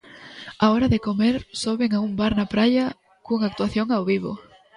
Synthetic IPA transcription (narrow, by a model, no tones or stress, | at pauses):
aɔɾɐðɪkomeɾsoβeŋaumbaɾnɐpɾaʎɐ | kuŋak̚t̪uaθjoŋawβiβo̰